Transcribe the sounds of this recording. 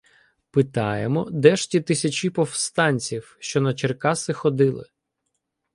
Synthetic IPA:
pɪt̪ɑ̰jemɔd̪ɛʃtʲit̪ɪsʲɐt͡ʃipɔwst̪ɑnʲt͡sʲiwʃt͡ʃɔnɐt͡ʃerkɑsɪxɔd̪ɪlˠɪ̰

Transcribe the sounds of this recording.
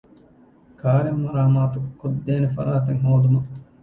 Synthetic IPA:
kʰaːɾemɐɾaːmaːt̪ukod̪ːeːnefɐ̰ɾaːt̪eŋɦoːd̪umɐ

